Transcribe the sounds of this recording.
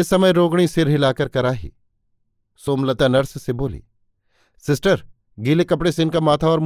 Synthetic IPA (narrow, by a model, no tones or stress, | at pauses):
esɐməjɾoːɡɽ̃isɪɾɦɪlaːkɐɾkɐɾaːɦḭː | soːmlɐt̪anɐɾsseboːlḭː | sɪsʈəɾ | ɡiːlekɐpɽeseɪnkamaːt̪ʰaɔːɾm